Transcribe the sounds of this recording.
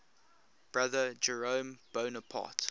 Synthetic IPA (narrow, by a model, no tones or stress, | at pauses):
b̥ɹaðəd͡ʒəɹə̃ʊmb̥oʊnəpʰɑ̰ˑt